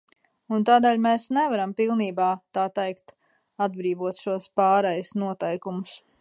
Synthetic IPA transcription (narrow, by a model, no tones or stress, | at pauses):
unt̪aːd̪eːlʲmeːsnɛvaɾampilˠniːbaːt̪aːt̪ɛjkt̪ | ad̪̚bɾiːvuɔt̪ʃuɔspɑːɾɛjusnuɔt̪ɛjkumʊs